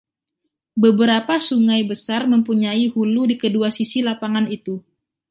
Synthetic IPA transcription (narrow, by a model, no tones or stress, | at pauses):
bəbəɾapasuŋajbəsarməmpuɲaihuludikəduasisilapaŋanit̪u